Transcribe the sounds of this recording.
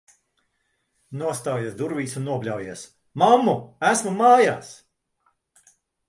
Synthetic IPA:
nuɔst̪aːjeɛsd̪uɾvʲiːsunːuɔplʲawjeɛs | mamːuæsmumaːjaːs

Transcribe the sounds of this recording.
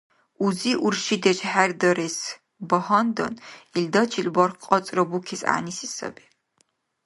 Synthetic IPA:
uziʔurʃid̪ɛt͡ʃʼħærd̪ɐɾes | bɐhɐnd̪ɐ̰nild̪ɐt͡ʃʰilbɐrχqʼɔt͡sʼrɐbukʰɛsa̰ːnisisɐ̰bɛ̥

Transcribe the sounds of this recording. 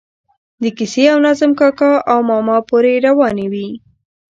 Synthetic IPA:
d̪əkiseawnazəmkɑkɑawmɑmɑpoɾeɾawɑnewi

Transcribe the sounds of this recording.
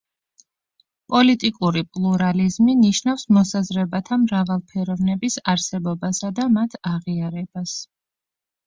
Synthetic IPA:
pʼɔlit̪ʼikʼuɾipʼlˠuɾalizminiʃnafsmɔsazɾɛbat̪ʰamɾavalˠpʰɛɾɔvnɛbisaɾsɛbɔbasad̪amat̪ʰaʁiaɾɛbas

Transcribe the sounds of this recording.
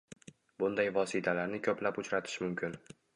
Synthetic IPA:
bʊnd̪ajvɒsit̪ʰalaɾnɪkʲʰɵplapʊt͡ʃʰɾat̪ʰɪ̥ʃmʊmkʲʰɪn

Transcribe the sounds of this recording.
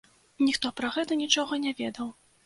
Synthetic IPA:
nʲixt̪ɔpɾɐɣɛt̪ɐnʲit͡ʂɔɣɐnʲavʲɛd̪ɐw

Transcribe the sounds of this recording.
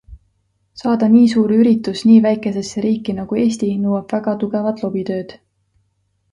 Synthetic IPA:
sɑːd̪̥ɑniːsuːɾyɾit̪ːˑusniːvæjkˑe̞se̞sːeɾiːkːˑinɑɡ̥ue̞ːst̪inɤwɑb̥væɡ̥ɑt̪uɡ̥e̞vɑt̪ˑlo̞b̥it̪ø̞ːd̪̥

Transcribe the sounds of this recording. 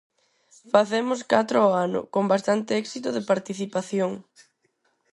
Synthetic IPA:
faθemʊskat̪ɾʊɔanʊ̰kombast̪ant̪eɛksit̪ʊðepaɾt̪iθipaθjoŋ

